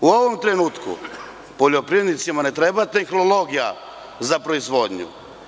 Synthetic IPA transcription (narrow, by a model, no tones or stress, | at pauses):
uo̞ʋomt̪ɾenuːt̪kṵ | poʎo̞pɾiʋjed̪nit̪simane̞t̪ɾebat̪e̞xnolˠo̞ɡija̰ | zapɾo̞izʋo̞d̪ɲṵ